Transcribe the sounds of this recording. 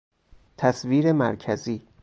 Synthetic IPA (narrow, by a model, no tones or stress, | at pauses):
t̪ʰæsviːɾemæɾcʰæziː